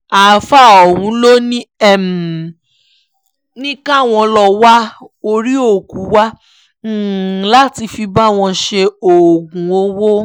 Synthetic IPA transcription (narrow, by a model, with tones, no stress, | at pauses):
a˨fa˦˨ɔ˨wũ˨˦lo˦nĩ˦ɛ˦˨m˨ | nĩ˦ka˦˨w̃ɔ̃˧lɔ˧wa˦ | o˧ɾi˦o˦˨ku˨˦wa˦ | la˦ti˧fi˧ba˦w̃ɔ̃˧ʃe˧o˨ɡũ˨o˧wo˦